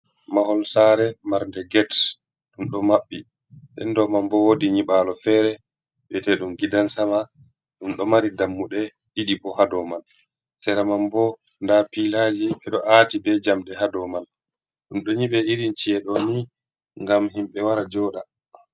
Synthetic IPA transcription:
mahɔlsaɾɛmaɾndɛɡɛt | ɗumɗɔmaɓːi | ɗɛ̰ndɔmambɔwodiɲiɓalɔfɛːɾɛ | ɓɛtɛɗumɡidansama | ɗumɗɔmaɾidamːuɗɛ | ɗiɗibɔhadɔman | sɛɾamambɔ | ndapilad͡ʒiɓɛɗɔʔatibɛd͡ʒamɗɛhadɔman | ɗumɗɔɲiɓɛiɾint͡ʃiɛɗɔni | ŋɡamɦimɓɛwaɾad͡ʒɔɗa

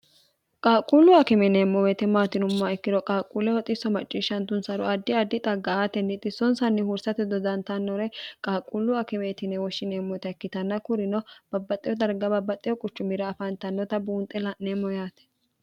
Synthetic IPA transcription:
kʼaːkʼulːʊɐkɪmɛneːmːɔwɛt̪ɛmaːt̪ɪnʊmːaɛkːɪd̪ɔkʼaːkʼulɛwɔt̪ʼɪsːɔmɐt͡ʃʼːiːʃːɐnt̪ʊnsɐɾɔɐd̪ːɪɐd̪ːɪt̪ʼɐɡːɐaːt̪ɛnːɪt̪ːɪsɔnsɐnːɪhuɾsɐt̪ɪd̪ɔd̪ɐnt̪ɐnːɔɾɛkʼaːkʼulːʊɐkɪmet̪ɪnɛwɔʃːɪneːmːɔt̪ɐɛkːɪt̪ɐnːɐkʊɾɪnɔb̥ɐbːɐt̪ʼɪjɔd̪ɐɾɡɐbɐbːɐt̪ʼɪjɔkʼʊt͡ʃːʊmɪɾɐːfɐnt̪ɐnːɔt̪ɐbuːnt̪ʼːɛlɐnneːmːɔjaːt̪ɛ̥

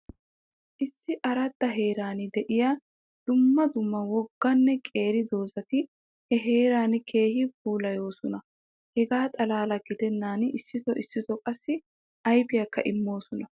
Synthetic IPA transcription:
ʔɪsːɪʔɐɾɐd̪ːɐɦeːɾaːnɪd̪ɛʔɪja | d̪̥ʊmːɐd̪ʊmːɐwɔɡːɐnːɛkʼe̞ːɾɪd̪o̞ːzɐt̪ɪ | hɛɦe̞ːɾaːnkʰe̞ːhɪbuːlɐjo̞ːsɔnɐ | hɛɡaːt̪ʼɐlaːlɐɡɪd̪ɛnːaːnɪsːɪt̪ɔʔɪsːɪt̪ɔkʼɐsːɪ | ɐjbɪjɐkːɐ̰ʔɪmːo̞ːsɔnɐ

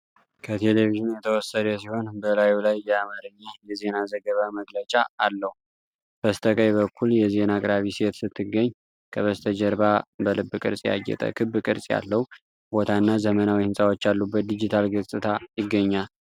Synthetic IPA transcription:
kʰət̪ʰe̞leviʒɪnjɛt̪ʰəwɔsːəd̪əsiho̞nbəlajulajːɛamaɾɨɲːajɛze̞nazəɡəβaməɡlət͡ʃʼaːlːəhu | b̥əst̪ʰəkʼəjβəkʰːuljɛze̞nakʼɨɾaβise̞t̪sɨt̪ʰːɨɡəɲː | kʰəβəst̪ʰəd͡ʒəɾbabəlɨbːɨkʼɨ̰ɾsʼja̰ɡːɛ̰t̪ʼə̰kʰɨbːɨkʼɨ̰ɾsʼja̰lːəhu | bo̞t̪ʰanːazəmənawihɨnsʼawo̞t͡ʃːalːubːət̪̚d̪id͡ʒit̪ʰalɡɨsʼɨt̪ʰajɪɡːəɲːal

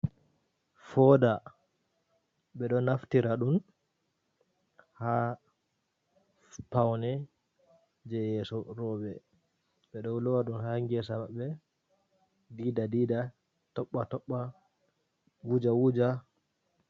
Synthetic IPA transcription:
fɔda | ɓɛɗɔnaftiɾaɗun | ha | pawnɛ | d͡ʒɛjɛːsɔɾɔːɓɛ | ɓɛɗɔlɔwaɗunhaŋɡɛsamaɓːɛ | diːdadiːda | tɔɓːatɔɓːa | wud͡ʒawud͡ʒa

